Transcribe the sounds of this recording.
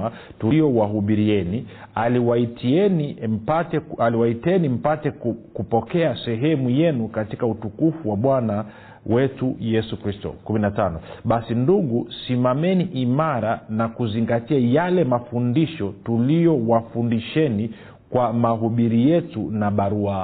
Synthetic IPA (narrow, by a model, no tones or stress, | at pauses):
a | tuljɔwaɦuɓiɾiɛni | aliwaitʰiɛnim̩patɛaliwaitɛnim̩patɛkkupɔkɛasɛɦɛmujɛnukatikautukufuwaɓwana | wɛtujɛsukɾistɔ̰kuminatanɔɓasinduɠusimamɛniʔimaɾanakuziŋɡatiajalɛmafundiʃɔtulijɔwafundiʃɛni | kwamaɦuɓiɾijɛtunaɓaɾua